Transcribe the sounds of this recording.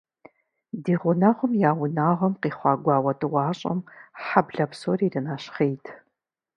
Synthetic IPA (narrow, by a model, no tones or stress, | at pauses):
diːʁʷʊnaːʁʷʊmjaːwʊnaːʁʷɐmqiːχʷɑːɡʷɑːwɐtʼɨwʷɑːɕʼɐ̰mħabɮɐpsoːriːrɨnaːɕχejtʰ